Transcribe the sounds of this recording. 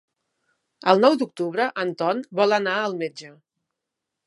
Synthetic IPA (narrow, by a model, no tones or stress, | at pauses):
əlˠnɔwd̪uk̚t̪uβɾəʔənt̪ɔnbɔlˠənaəlˠmed͡ʒə